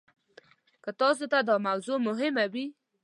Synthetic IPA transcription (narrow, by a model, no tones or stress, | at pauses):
kət̪ɑs̬ot̪ad̪ɑmawzomʊɦɪmawi